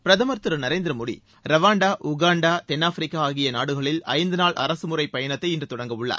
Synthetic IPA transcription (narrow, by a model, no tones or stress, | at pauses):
pɪɾɐðɐmɐɾt̪ɯɾɐnɐɾeːnd̪ɪɾɐmʊɽḭ | ɾɐʋaːɳɖaːʔʊɣaːɳɖaːt̪ɛnːaːfɾɪkːaaːɣɪjɐnaːɽɯɣɐɭɪlɐɪnd̪ɯnaːɭʔɐ̰ɾɐsɯmʊrɐɪpːɐjɐnɐt̪ːɐɪɪndrɯt̪ɔɽɐŋɡɐʋɯɭːa̰ːɾ